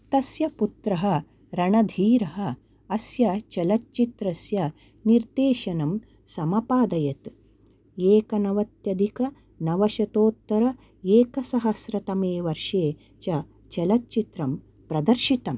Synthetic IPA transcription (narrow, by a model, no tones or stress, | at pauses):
t̪ɐsjɐput̪ɾɐɦɐ̆ | ɾɐɳɐd̪ʱiːɾɐɦɐ̆ | ɐsjɐt͡ʃɐlɐtt͡ʃit̪ɾɐsjɐ | niɾd̪eːʃɐnɐm | sɐmɐpaːd̪ɐjɐt̪ | eːkɐnɐʋɐt̪jɐd̪ʱikɐ | nɐʋɐʃɐt̪oːt̪ːɐɾɐ | eːkɐsɐɦɐsɾɐt̪ɐmeːʋɐɾʂeː | t͡ʃɐ | t͡ʃɐlɐtt͡ʃit̪ɾɐm | pɾɐd̪ɐɾʃit̪ɐm